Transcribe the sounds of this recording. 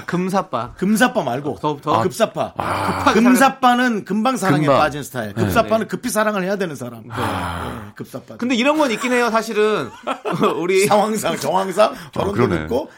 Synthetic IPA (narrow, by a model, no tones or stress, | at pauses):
kɯmsʰap͈akɯms̬ʰap͈amaɭɡokɯp̚s͈apʰa̰ɯkɯms̬ʰap͈anɯnkɯmbaŋs̬ʰaɾaep͈ad͡ʑinsʰɯ̥tʰaḛkɯp̚s͈apʰanɯnkɯpʰisʰaɾaŋɯɭhe̞jadwe̞nɯnsʰaɾa̰mjḛkɯp̚s͈ap͈akɯndeiɾʌnɡʌnik͈ine̞josʰaɕʰiɾɯn | uɾiaŋwaŋsʰakjʌŋwaŋsʰakʌɾonɯ̰k͈o